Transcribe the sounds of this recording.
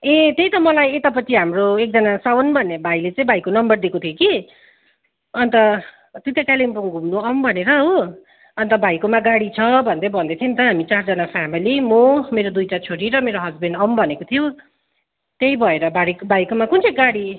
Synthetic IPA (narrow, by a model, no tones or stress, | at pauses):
et̪ejt̪ʌmʌlajet̪ap̬ʌt͡sʰiɦamroek̚d͡zʌnasawʌnbʱʌnːebʱajlet͡saĩbajkonʌmbʌrd̪ikot̪ʰjoki | ʌnt̪ʌ | t̪ut̪ekalimpuŋɡʱumnuʌmbʱʌneɾʌɦo | ʌnt̪ʌbʱajkomaɡaɽit͡sʰʌbʱʌnd̪ebʱʌnd̪et̪ʰint̪ʌɦamit͡sard͡zʌnapʰamilimomeɾod̪ujʈat͡sʰoɾiɾʌmeɾoɦʌd͡zbenɖʌmbʱʌnekot̪ʰijo | t̪ejbʱʌeɾʌbaɽikbʱajkomakunt͡sʰeɡaɽi